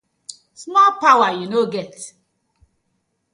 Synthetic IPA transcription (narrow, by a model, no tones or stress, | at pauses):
smɔlpawajunoɡɛt